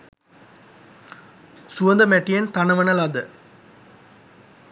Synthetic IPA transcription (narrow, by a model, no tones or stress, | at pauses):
suʋɐnd̪ɐmɛʈːijent̪ɐnɐʋɐnɐlɐd̪ɐ